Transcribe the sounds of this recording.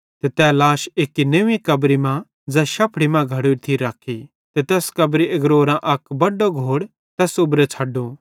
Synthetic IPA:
t̪et̪ɛːlaːʃekːineːʋĩkɐbɾimã | d͡zɛːʃɐpʰɽimãɡʱɐɽuɾt̪ʰiɾaːkʰi | t̪et̪ɛːskɐbɾiɐɡɾoːɾãʔɐkbɐɖoɡʱoːɽ | t̪ɛːsʊbɾet͡sʰɐɖo

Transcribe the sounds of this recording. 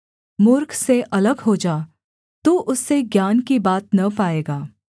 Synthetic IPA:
mʊɾkʰseʔɐləɡɦod͡ʒaː | t̪uːʔʊsːeɡjaːnkibaːt̪nɐpaːeːɡaː

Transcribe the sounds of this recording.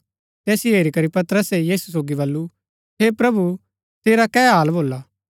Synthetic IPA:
t̪ɛːsieːɾikɐɾipɐt̪əɾəsejiːsus̬oːɡibɐlːu | eːpɾɐbu | seːɾakɛːɦaːlboːlaː

